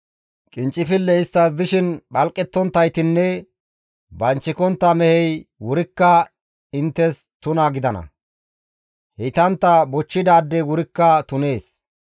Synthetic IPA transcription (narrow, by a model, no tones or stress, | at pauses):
kʼɪnt͡ʃʼːɪfɪlːɛɪst̪ːɐsd̪ɪʃɪnɓɐlkʼːɛt̪ːɔnt̪ːɐjt̪ɪnːɛ | bɐnt͡ʃːɪkɔnt̪ːɐmɛhɛjwʊɾɪkːɐ | ɪnt̪ːɛst̪ʊnaːɡɪd̪ɐnɐ̰ | hɛt̪ɐnt̪ːɐbɔt͡ʃːɪd̪aːd̪ːɛwʊɾɪkːɐt̪ʊne̞ːs